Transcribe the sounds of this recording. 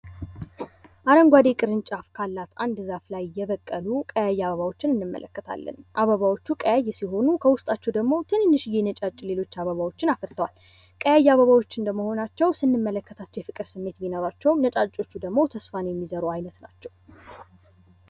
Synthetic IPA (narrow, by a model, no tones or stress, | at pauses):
ʔaɾəŋɡʷad̪e̞kʼɨɾɨnt͡ʃʼafkʰalːat̪ʔand̪zaflajjɛβəkʼːəlukʼəjajːɛaβəβawo̞t͡ʃːɪnɨnːɨmːə̰lʔə̰kːət̪ʰa̰lːə̰nʔaβəβawo̞t͡ʃːukʼəjajːɛsiɦo̞nukʰəwʊst̪ʼat͡ʃːɛwd̪əɡmo̞t̪ʰɨnɨnːɨʃɪjɛnət͡ʃʼat͡ʃʼːle̞lo̞t͡ʃːaβəβawo̞t͡ʃːɪnafəɾt̪ʰəwa̰l | kʼəjajːaβəβawo̞t͡ʃːɪnd̪əməho̞nat͡ʃːɛwsɨnːɨmːələkːət̪ʰat͡ʃːɛjfɨkʼɨɾsɨmːe̞t̪binoɾat͡ʃːɛwnət͡ʃʼat͡ʃʼːo̞t͡ʃːud̪əɡmo̞t̪ʰəsfanjɛmːizəɾuajnət̪nat͡ʃːɛw